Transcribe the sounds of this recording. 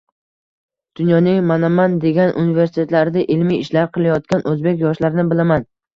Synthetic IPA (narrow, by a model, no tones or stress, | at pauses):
d̪̥ʊnjɒnɪŋmanamand̪e̞ɡʲanʔṵnɪveɾsɪt̪ʰe̞t̪laɾɪd̪aʔɪlmijɪʃlaɾqʰɨlˠajɒt̪̚kʲanʔɵzbe̞kʲjɒʃlaɾɪnɪbɪlaman